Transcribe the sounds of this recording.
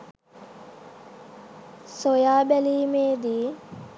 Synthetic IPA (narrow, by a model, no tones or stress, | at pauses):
sojaːbæliːmeːd̪iː